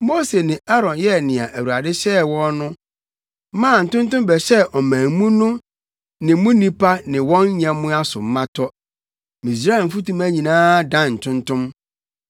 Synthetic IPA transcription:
mo˦se˨nɪ̃˨ʔa˦ɾɔ̃˨njɛ˦nɪ̃˨ã˨ʔæ˨wu˨a˨dɪ˦ɕɛ˦wɔ̃˦nnʊ̃˦ | mã˦˨n̩˨tʊ̃˦n˦tʊ̃˦m˦bɛ˨ɕɛ˦ʔɔ˨mæ̃˨mũ˦nʊ̃˦ | nɪ̃˨˦mʊ̃˦nĩ˦pʰa˦nɪ̃˨wɔ̃˦n˦ɲã˨mʊ̃˦a˦sʊ̰˨m̩˦mã˦tʰɔ˦ | mĩ˨s̬ɾa˦˨m̩˨fu˦tũ˦mæ˦ɲĩ˨nãː˦dã˦˨n̩˨tʰʊ̃˦ntʊ̃˦m

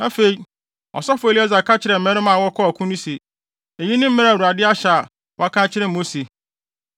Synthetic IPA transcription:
na˦fe˨i˦ | ɔ̰˨sɔ˦fʊ˨˦e˨li˦ɛ˦za˨kʰa˦t͡ɕʰɪ˨ɾɛ˨m̩˨mɛ̃˦ɾɪ˦mã˨wɔ˦kʰɔ˦a˨kʰũ˦nũ˦se˨ | e˨ji˦nɪ̃˦m̩˦mɪ̃˦ɾa˨u˨a˨dɪ˦a˦ɕa˨a˨ | wɔ˦a˦kʰã˦t͡ɕʰɪ˦ɾɛ˦˨mo˦se˨

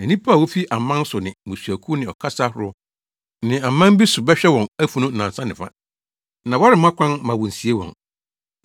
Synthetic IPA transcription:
ɛ˨nĩ˦pʰa˦˨wɔ˦fi˦ʔa˨mã˦n˦sʊ˨nɪ̃˨mʊ̃˨su˨æ˨kʰu˦nɪ̃˨ɔ˨kʰa˦sa˦hʊ˦ɾʊ˦ | nɪ̃˨a˨mã˦m˦bi˦sʊ˨bɛ˦ɕᶣɛ˦wɔ̃˨næ˦fu˦nʊ̃˦n̩˨nã˨n˨sã˦nɪ̃˨fa̰˦ | nã˨wa˦ɾɪ˨m˦a˦kʷʰã˦n˦mã˨wɔ˨n̩˨si˨e˦wɔ̰̃˨n

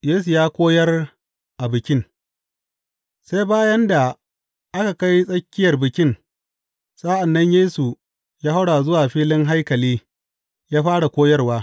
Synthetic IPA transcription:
jeː˦su˨jaː˦kʷoː˦jɐ˦r | ʔa˨bɪ˨kʲɪ˦ŋ | se˦jbaː˦jɐ˦nda˨ | ʔa˦ka˨ka˦jsʼɐ˦kʲːɪ˦jɐ˨rbɪ˨kʲɪ˦n | sʼa˦ʔa˨nːɐ˦ɲjeː˦su˨ | jaː˦ha˦wɽaː˨zʊ˦waː˨ɸiː˦lɪ˦ŋɦa˦jkɐ˨liː˦ | jaː˦ɸaː˦ɽa˨kʷoː˦jɐ˦rwaː˦

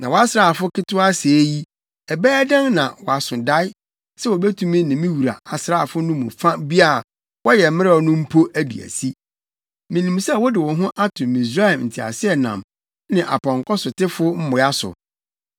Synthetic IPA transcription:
nã˨wɔ˨a˦sɾa˦˨fʊ˦kɪ˦tʊ˦a˦se˨˦ji˦ | ɛ˨bɛː˦dã˦ŋnã̰˨wɔ˨a˨sʊ̃˨da˦ɪ˦ | sɛ˦wɔ˨bɛ˦tʰũ˦mĩ˦nɪ̃˨mĩ˦wu˨ɾa̰˨a˨sɾa˦a˨fʊ˦nʊ̃˦mʊ̰̃˨fã˦bi˦a˦˨ | wɔ˦jɛ˨mɪ̃˦ɾɛ˦ɔ˨nʊ̃˦m̩˦pʰo˦ʔæ˦dḭ˨æ̰˨si˦ | mĩ˨nĩ˨msɛ˦˨wɔ˦dɪ˨wɔ̃˨ɦʊ̃˦ʔa˦tʰʊ̃˨mĩ˨s̬ɾa˦ɛ˨mn̩˨tʰi˨a̰˨sɪ˦ɛ˨nã̰˨m | nɪ̃˨ʔa̰˨pʰɔ̃˨ŋkʰɔ˦sʊ˨tɪ˦fʊ˦m̩˦mʊ̃˨ja˦sʊ̰˨

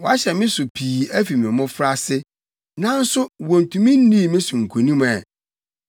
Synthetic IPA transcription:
wɔ˨a˦ɕɛ˨mɪ̃˦sʊ˨pʰiː˨æ˦fi˨mĩ˨mʊ̃˦fɾa˦sɪ˦ | nã˦n̩˦sʊ˦wɔ̃˨n˨tʰũ˨mĩ˦n̩˦nĩ˦˨mɪ̃˦sʊ˨ŋ̩˨kʰo˨nĩ˦m˨ɛ˨

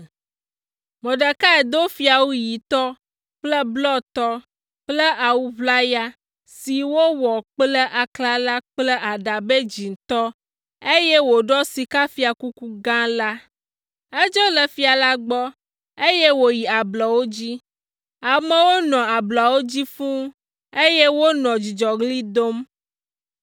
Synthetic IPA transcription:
mɔ̃˨ɖə˨ka˦ɛ˨d̪o˦fi˨˦a˨wu˦ji˨t̪ɔ˦ | k͡plɛ˦blɔ˦t̪ɔ˦ | k͡ple˦ʔa˨wu˦vla˦ja˦ | si˨wo˦wɔ˨k͡plɛ˦ʔa˨kla˦la˦k͡plɛ˦ʔa˨ɖa˨be˦d͡ʑi˨ŋ˨t̪ɔ˦ | e˦je˦wo˨ɖɔ˦si˨ka˦fi˨a˨ku˦ku˦ɡã˦la˦ | e˦d͡ʒɔ˦lɛ˨fi˨˦a˨la˦ɡ͡bɔ˦ | e˦je˦wo˨ji˨a˨blɔ˨wo˦d͡ʑi˦ | a˨mẽ˦wo˦nɔ̃˨a˨blɔ˨wo˦d͡ʑi˦fũ˦ | e˦je˦wo˦nɔ̃˨d͡ʑi˨d͡ʒɔ˨ɡli˦d̪o˦m

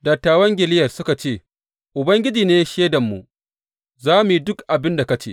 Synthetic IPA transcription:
dɐ˨tːaː˨wɐ˦ŋɡʲɪ˨lɪ˦jɐ˨rsʊ˦ka˨t͡ʃeː˦˨ | ʔʊ˨bɐ˦ŋɡʲɪ˦d͡ʒiː˨neː˦ʃeː˦dɐ˨mːṵ˨ | zaː˦mu˨ji˨dʊ˦kʔa˨bɪ˦nda˨kɐ˦t͡ʃḛː˦˨

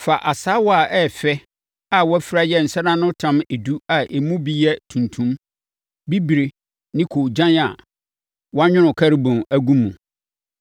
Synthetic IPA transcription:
fa˨ʔa˨saː˨˦wɔ˦a˨ʔɛ˦˨fɛ˦ | a˨wɔ˦æ˦fi˦ɾa˦jɛ˦˨n̩˨sɛ˦nã˦nʊ̃˦tʰã˦me˨du˦a˨ʔe˨mũ˦bi˦jɛ˦tʰũ˨ntʰũ˦m | bi˦bi˨ɾi˨ | nɪ̃˦kʰo˨d͡ʑã˦na̰˨ | wɔ˦a˦ɲᶣʊ̃˦nʊ̃˨kʰa˦ɾi˦bʊ̃˨næ˨ɡũ˦mːũ˨

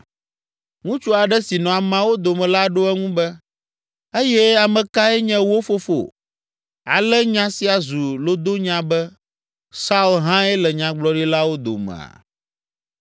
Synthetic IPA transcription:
ŋũ˦t͡ʃu˦a˨ɖɛ˦si˨nɔ̃˨a˨mã˨wo˦d̪o˨mɛ̃˨la˦ɖo˦ɛ˦ŋũ˦bɛ˦ | e˦jɛ˦a˨mɛ̃˨ka˦ɛ˦ɲɛ̃˦wo˦fo˦fo̰˨ | a̰˨lɛ˦ɲã˦si˦a˨zu˨lo˦d̪o˦ɲã˦bɛ˦ | sa˦u˦lɦã˦ɛ˦lɛ˨ɲã˨ɡ͡blɔ˨˦ɖi˦la˦wo˦d̪o̰˨mɛ̰̃˨a̰˨

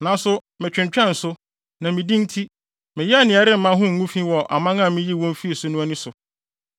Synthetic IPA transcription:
nã˨˦sʊ˦ | mɪ̃˨t͡ɕᶣɪ̃˨ɲ˨t͡ɕᶣɛ̃˦n̩˨sʊ˦ | nã˨mĩ˨dĩ˦n̩˦tʰi˦ | mɪ̃˨jɛ˦a˦˨nɪ̃˨ɛ˨ɾɪ˦m̩˦mã˦ɦʊ̃˦ŋ̩˨ŋũ˦fĩ˦wɔ˨ʔa̰˨mã˦ŋã˦˨mɪ̃˦ji˦wɔ̃˦m˦fi˦e˨sʊ˨˦nʊ̃˦a˦nɪ̃˦sʊ˨

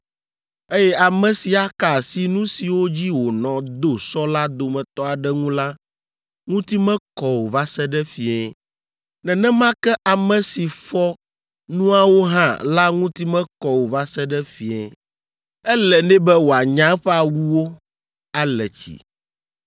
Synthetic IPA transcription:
e˦jɛ˦a˨mɛ̃˨si˨a˦ka˨si˦nũ˦si˨wo˦d͡ʑi˦wo˨nɔ̃˨d̪o˦sɔ˦la˦d̪o˨mɛ̃˨t̪ɔ˦a˨ɖɛ˦ŋũ˦la˦ | ŋũ˦t̪i˦mɛ̃˦kɔ˨wo˨va˦sɛ˦ɖɛ˦fi˨ɛ˨ | nɛ̃˨nɛ̃˦mã˦kɛ˦ʔa˨mɛ̃˨si˨fɔ˦ | nũ˦a˦wo˦ɦã̰˦˨la˦ŋũ˦t̪i˦mɛ̃˦kɔ˨wo˨va˦sɛ˦ɖɛ˦fi˨ɛ̃˨ | ɛ˦lɛ˨nɛ̃˦bɛ˦wo˨a˨ɲã˦ɸɛ˦a˨wu˦wo˦ | a˦lɛ˨t͡ɕḭ˨

